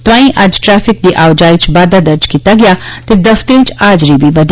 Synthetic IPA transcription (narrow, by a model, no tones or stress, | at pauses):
t̪ʋaːĩʔaːd͡ʒʈɾɛːfɪk̚d̪iʔaːwd͡ʒaːit͡ʃʰbaːd̪ad̪ɐɾd͡ʒkit̪aɡjaːt̪ed̪ɐft̪ɾĩt͡ʃʰaːd͡ʒɾibʱibɐd̪